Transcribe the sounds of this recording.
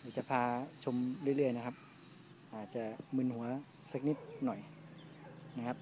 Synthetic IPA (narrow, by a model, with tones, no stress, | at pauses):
daː˧˩t͡ɕa˨˩pʰaː˧t͡ɕʰo˧mɾɯ˥˩əjɾɯ˥˩əjna˦˥kʰa˦˥p̚ | ʔaː˨˩t̪̚t͡ɕa˨˩mɯ˧nhu˩˦ɐ | sa˦˥k̚ni˦˥˩p̪̚nɔ˨˩j | na˦˥kʰa˦˥p̚